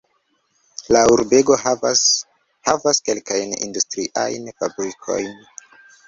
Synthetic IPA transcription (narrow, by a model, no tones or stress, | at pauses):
lauɾbe̞ɡo̞ | havaske̞lkajnḭndustɾiʔa̰jnfabɾikʰo̞̰jn